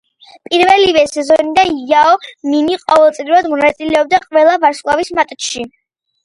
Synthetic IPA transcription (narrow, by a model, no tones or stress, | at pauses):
pʼiɾvɛlivɛsɛzɔnid̪ajaɔminiqʼɔvɛlˠt̪sʼiɾad̪mɔnat̪sʼilɛɔb̚d̪aqʼvɛlˠavaɾslˠa̰vismat̪ʼt̪ʃi